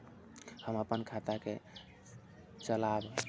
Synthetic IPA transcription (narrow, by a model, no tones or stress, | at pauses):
həməpənkʰat̪ake | t͡ʃəlab